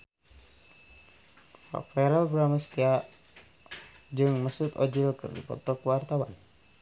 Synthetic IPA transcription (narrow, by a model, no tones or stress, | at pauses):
fa̰fɛɾalbɾaməst̪ia | d͡ʒɨŋməsut̪ɔd͡ʒilkɨ̰rdḭpɔ̰t̪ɔkwart̪awa̰n